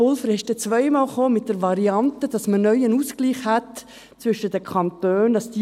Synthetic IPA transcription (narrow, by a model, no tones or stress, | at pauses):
ʊlfəɾɛʃd̥ɛt͡sʋœɪmɑːlχoːmɪt̚d̥əɾʋɑɾiɑntəd̥ɑsmənœʏənuːskliːχhɛt | t͡sʋʏʃədəkʰɑntøːnd̥ɑsd̥i